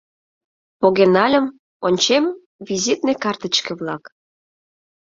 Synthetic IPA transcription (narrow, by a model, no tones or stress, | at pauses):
poɣenɑlʲəm | onʲt͡ɕem | vizit̪nekɑrt̪ə̆t͡ɕkĕβlɑk